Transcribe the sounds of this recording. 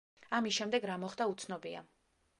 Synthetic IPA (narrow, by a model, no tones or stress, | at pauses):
amisʃɛmd̪ɛɡɾamɔχd̪aut̪sʰnɔbia̰